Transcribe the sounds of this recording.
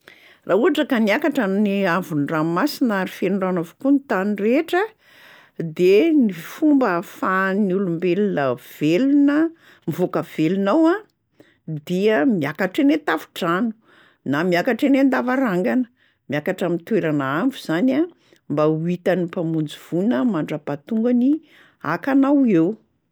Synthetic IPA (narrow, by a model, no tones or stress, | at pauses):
rʔauaʈ͡ʂəkaniakaʈ͡ʂaniavunramasinaɾifenuɳɖ͡ʐanavo̥kunit̪anireʈ͡ʂə | d̪enifumbəfanulumbelinəv̥elunə | mivokəv̥elunawã | d̪iəmiakaʈ͡ʂenet̪afu̥ʈ͡ʂanu̥ | namiakaʈ͡ʂenend̪avaɾaŋɡanə | miakaʈ͡ʂamint̪weɾanaamvuz̥ana | mbauit̪anipamund͡ziv̥unəmaɳɖ͡ʐəpat̪uŋɡani | a̰kanawew